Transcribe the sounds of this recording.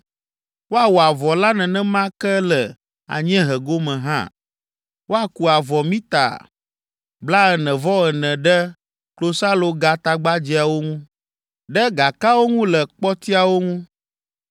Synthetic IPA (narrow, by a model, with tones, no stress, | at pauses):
wo˦a˨wo˨a˨vɔ˨la˦nɛ̃˨nɛ̃˦mã˦kɛ˦lɛ˨ | a̰˨ɲ˦ɛ̃˦ɦɛ˨ɡo˦mɛ̃˨ɦã̰˦˨ | wo˦a˨ku˨a˨vɔ˨mĩ˦t̪a̰˨ | bla˦ɛ˨nɛ̃˨vɔ˦ɛ˨nɛ̃˨ɖɛ˦ | klo˦sa˦lo˨ɡa˦t̪a˦ɡ͡ba˦d͡ʑi˨˦a˨wo˦ŋũ˦ | ɖɛ˦ɡa˨ka˦wo˦ŋũ˦lɛ˨k͡pɔ˦t̪i˦a˨wo˦ŋũ˦